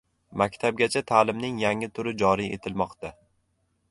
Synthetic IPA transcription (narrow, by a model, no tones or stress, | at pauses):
makʲt̪ʰab̚ɡʲat͡ʃʰat̪ʰaːlɪmnɪŋjaŋɪt̪ʰʊɾɪd͡ʒɒɾie̞̰t̪ʰɪlmɒqt̪a